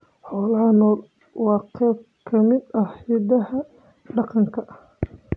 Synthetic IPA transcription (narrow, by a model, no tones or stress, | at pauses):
ħɔːlɐɐnɔːl | wɑːqɛːb̚ | kʰɐmɪd̪ɐhiːd̪ɐɦɐ | ɖɑqɑŋkʰɐʔɐh